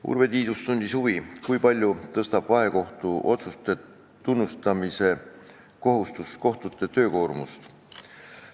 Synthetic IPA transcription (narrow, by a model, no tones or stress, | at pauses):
ṵrve̞t̪iːd̪̥ust̪unʲd̪̥ʲishuvikujpɑlʲjut̪ɤst̪ɑb̥vɑɦe̞ko̞ht̪uʔo̞t̪sust̪e̞ | t̪unːust̪ɑmise̞ | ko̞ɦust̪usko̞ht̪ut̪ːˑe̞t̪ø̞ːko̞ːrmust̪